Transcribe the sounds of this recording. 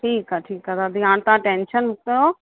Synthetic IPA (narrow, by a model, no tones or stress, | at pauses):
ʈʰiːkaʈʰiːkat̪ad̪iɦãːɽ̃t̪ãːʈẽːnʃənʊkəɾo